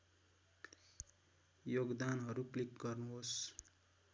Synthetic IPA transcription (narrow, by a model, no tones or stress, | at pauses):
joɡd̪anɦʌɾuklikɡʌrnuɦos